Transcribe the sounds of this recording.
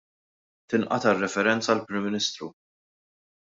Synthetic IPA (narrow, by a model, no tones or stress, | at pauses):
t̪ɪnʔɐ̰t̪ɐrːɛfɛɾɛnt͡sɐːlpɾɪmːɪnist̪ɾu